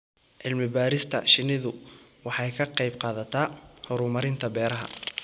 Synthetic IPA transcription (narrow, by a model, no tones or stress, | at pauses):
ʔɪlmɪbaːɾɪst̪ʰɐʃɪnɪðʊwɑħɑjkʰɐqɑjbqɑːðɐt̪ʰaːhɔɾʊmɐɾɪnt̪ʰɐbɛːɾɐɦɐ̰